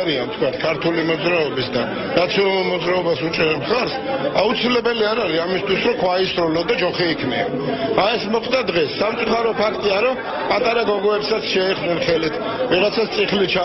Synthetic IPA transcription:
ɾiant̪ʰkʰwat̪ʰkʰaɾt̪ʰulimɔd̪zɾaɔbisd̪a | nat̪sʰiɔnalulˠmɔd̪zɾaɔbasut͡ʃʼɛɾɛmχaɾsaut̪sʰilɛbɛliaɾaɾiamist̪ʰwisɾɔkʰwaisɾɔlɔd̪ad͡ʒɔχiːkʰnḭa̰aɛsmɔχt̪d̪ad̪ʁɛsːamt̪sʼuχaɾɔpʰakʰt̪ʼiaɾɔ | pʼat̪ʼaɾaɡɔɡɔɛpsat̪sʰʃɛiχnɛnχɛlit̪ʰ | viʁat̪sʰat̪t̪ʼiχlit͡ʃʰa

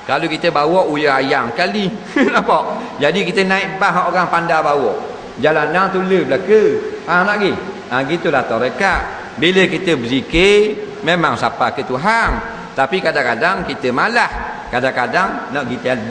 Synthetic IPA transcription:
kalokit̪əbawɔʔujaajaŋkali | naʔpɔʔ | d͡ʒadikit̪ənaɪʔbaɦaʔoɣaŋpandabawɔʔ | d͡ʒalanaŋt̪uləbəlakəanaʔɡi | ãɡit̪ulat̪ɔɾəkaʔ | biləkit̪əbəsikememaŋsapakət̪uɦaŋ | t̪apikadaŋkadaŋkit̪əmalah | kadaŋkadaŋnaʔɡit̪əa

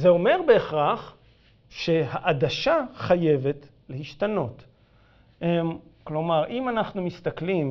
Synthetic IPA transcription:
zeo̞me̞ʁbe̞ːχʁaχ | ʃe̞haʔadaʃaχaje̞ve̞t | lehiʃtano̞t | emklo̞maʁʔimanaχnumist̪aklim

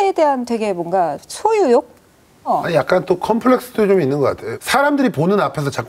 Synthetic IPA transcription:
ede̞ɦantwe̞ɡe̞mwʌnɡat͡ɕʰojujok̚ | aɲijak̚k͈ant͈okʰʌmpʰɯɭe̞k̚s͈ɯdʰot͡ɕominːɯnɡʌk͈a̰tʰejosʰaɾamdɯɾiponɯnapʰe̞s̬ʰʌt͡ɕak

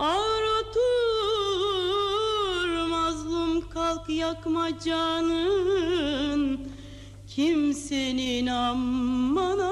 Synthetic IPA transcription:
aɾat̪ʰu | ɾmazlˠumkʰalˠkjakmad͡ʒanɯ | n | cʰimseninamːana

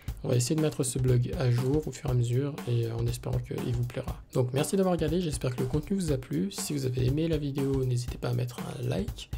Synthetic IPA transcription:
ɔ̃va̰es̬ejed̪əmɛt̪χəsəblɔɡaʒuːʁofyʁeaməzyːʁeɑ̰̃nɛspeʁɑ̰̃kə̰ḭlvuplɛʁa̰d̪̥ɔ̃kmɛʁsid̪avwaʁəɡaʁd̪eʒɛspɛʁkələkɔ̃t̪nyvuzaplysivuzaveemelavid̪eonezit̪e̥paːmʔɛt̪χɛ̰̃la̰jk

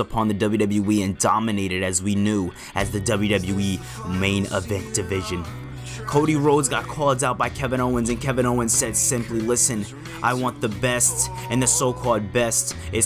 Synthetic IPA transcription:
əpʰɑ̃nðɨdʌbl̩ˠjɨdʌbl̩ˠjʉwiɨ̃ndɑmɨneɪɾɨɾɨzwinjʉ | ʔɨzðɨdʌbl̩jʉɾʌbl̩jʉwi | mẽɪ̃nɪ̰vɛ̃nd̥ɨvɪʒɨ̃n | kʰoʊɾiɹoʊdzɡɑt̚kʰɔlˠzaʊt̚b̥aɪkʰɛvɨ̃ɾ̃oʊmɨ̃nzɨ̃nkʰɛvɨ̃ɾ̃nõʊmɨ̃nz̥sɛd̥sɪ̃mplilɪsɨ̃n | ʔaɪwɑ̃nðəbɛst | ɨ̃nðɨsoʊkʰɔlˠd̚bɛstɨt

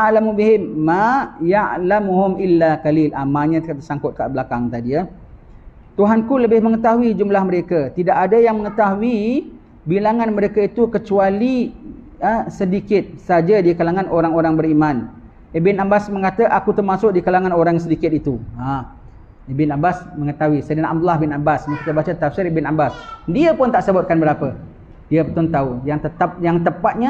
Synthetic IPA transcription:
aalamubiɦɪmːajaʔlamuɦʊmilːakalilamaɲatkat̪ərsaŋkʊt̪̚ka̰ʔbəlakaŋt̪adia | t̪uɦankuləbɪhmə̃ŋət̪aɦuid͡ʒumlahməɾekat̪idakadəjaŋməŋət̪aɦui | bilaŋanməɾekait̪ukət͡ʃuali | əsədikɪt̪̚sad͡ʒadikalaŋanoɾaŋoɾaŋbəɾimãn | bɪnambasməŋat̪aʔakut̪ərmasʊk̚dikalaŋanoɾaŋsədikɪt̪̚it̪ua | bɪnabasməŋət̪aɦuisədanaʔa̰b̚d̪ulahbɪnabasmakit̪əbat͡ʃat̪afsɪrbɪnabasdiəpʊnt̪aʔsəbʊt̪̚kanbəɾapə | diəpət̪ɔnt̪aujaŋt̪ət̪ap̚jaŋt̪əpat̪̚ɲa

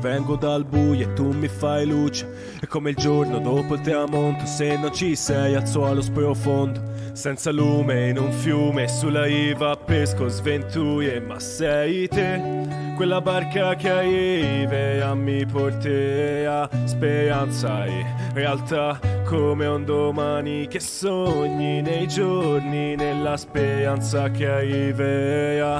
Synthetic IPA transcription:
vɛŋɡod̪albujoet̪ːumifajluːt͡ʃe̥ | ɛkːomeild͡ʒornod̪opolt̪ɾamont̪o̥senːont͡ʃisɛjat̪swɔlospɾofond̪o | sɛnt̪salumeinuɱfjumesulːaivapːeskozvent̪ujemːa̰sːɛit̪e | kwelːabarkak̟aivɛamːiport̪easpeɾant̪saḛrealt̪akʰːomeond̪omanik̟esoɲːinejd͡ʒorninelːaspeɾant̪sak̟eaivɛa

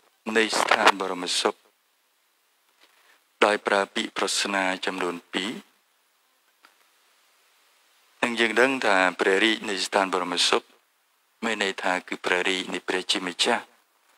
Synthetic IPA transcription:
nɨjst̪ʰaːnɓɑːɾɑmːsok̚ | ɗaɔjpraəpiəʔpruhsnaːt͡ɕɑmnuənpiː | nɨŋjəːŋɗəŋt̪ʰaːprɛ̆əhriːc̚nɨjst̪ʰaːnɓɑɾɑməsok̚ | meːnːəjt̪ʰaːkɨːprɛ̆əhriːc̚nɨjprɛ̆əht͡ɕiəmə̆t͡ɕah

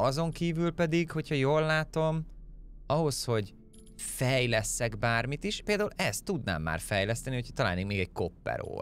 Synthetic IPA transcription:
ɒzo̞ŋkiːvylpɛd̪iɡho̞cʰhɒjoːlːaːt̪o̞m | ɒɦo̞sho̞ɟ | fɛjlɛsːɛɡbaːrmit̪iʃpeːld̪aːulɛst̪ːud̪na̰ːmːa̰ːrfɛjlɛst̪ɛnihocʰɒt̪ɒla̰ːneːkmeːɡɛɟ̚ko̞pːɛ̰ɾo̰ː

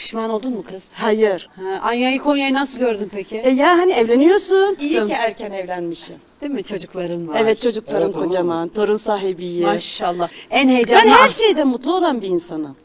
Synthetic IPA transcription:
pʰi̥ʃmano̞lˠd̪unmukʰɯz̥hajɯɾ̥hɛʔanjajɯkʰonjajnasɯlˠɟøɾd̪ympʰecʰɪɛjaɦaniɛvlʲe̞nijo̞sunijicʰiæɾcʰænɛvlʲænmiʃimd̪imɪt͡ʃʰo̞d͡ʒuklˠaɾɯnaɛvɛt̪̚t͡ʃʰo̞d͡ʒuklˠaɾɯnkʰo̞d͡ʒamant̪ʰoɾunsaːɦibijiaʃalˠːaænhejd͡ʒ̪bænhæɾʃe̞jd̪ɛmut̪lˠuo̞lˠanbiːnsanɯ

